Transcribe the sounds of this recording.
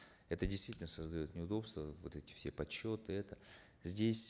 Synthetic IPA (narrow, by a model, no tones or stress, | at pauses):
ɛt̪ədʲɪjst̪vitʲɪlʲnəsəzd̪ɐjo̞t̪nʲɪʊd̪o̞pst̪vəvot̪ɛtʲɪ̥fsʲepɐt͡ɕːo̞t̪ɨɛt̪ə | zʲdʲesʲ